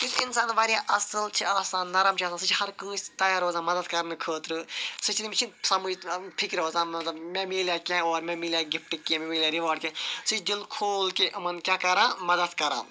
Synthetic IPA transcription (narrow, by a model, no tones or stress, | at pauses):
kit̪ʰinsaːnʋaːɾjãːʔɐsɨlt͡ʃʰiaːsãːnnːɐɾɐmt͡ʃʰaːsãːsɨt͡ʃʰihɐɾkə̃ːsʲt̪ɐjaːɾoːzãːmɐd̪ɐd̪kɐɾnɨkʰəːt̪ɾɨsɨt͡ʃʰnimʲit͡ʃʰinsɐmujʈʰikɾoːzãːmɐt̪lɐbmɛ̃miːljaːkãːoːɾmɛ̃miljaːɡipʈikːimʲemiːlʲjaːɾiʋaːɖ̚kʲẽsɨt͡ʃʰd̪ilkʰoːlkeʔɐmɐnkʲaːkɐɾãːmɐd̪ɐd̪kɐɾa̰ː